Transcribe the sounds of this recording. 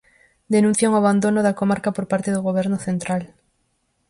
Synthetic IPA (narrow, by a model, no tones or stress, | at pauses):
d̪enũn̟θjaŋoaβand̪onoðakomaɾkapoɾpaɾt̪eðoɣoβ̞eɾnoθent̪ɾal